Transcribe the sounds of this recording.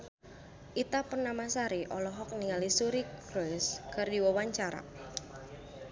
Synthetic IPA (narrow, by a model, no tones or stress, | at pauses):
ʔit̪apənamasaɾiʔɔlɔɦɔk̚niŋalisuɾikɾoɪskɨrdiwawaɲt͡ʃaɾa̰